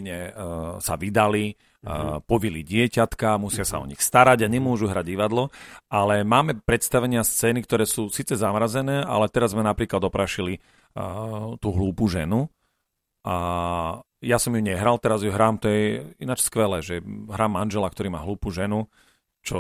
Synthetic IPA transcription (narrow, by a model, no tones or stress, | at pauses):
ɲɛsa̰ʋid̪ali | pɔʋiliɟɪɛcat̪kamusɪasa̰ɔ̰ɲixst̪aɾaɟaɲɛmʊɔʒuɦɾaɟiʋad̪lɔʔalɛmaːmɛpɾɛt̪st̪aʋɛɲɪast͡sɛːnikt̪ɔɾɛːsuːsiːt͡sɛzamɾazɛnɛːʔa̰lɛt̪ɛɾazzmɛnapɾiːklad̪ɔpɾaːʃili | t̪uːɦluːpuʒɛ̰nu | ʔa | jasɔmjuɲɛɦɾalt̪ɛɾazjuɦɾaːmt̪ɔjɛinat͡ʃskʋɛlɛːʒɛɦɾaːmːanʒɛlak̚t̪ɔɾiːmaːɦluːpuʒɛnu | t͡ʃɔ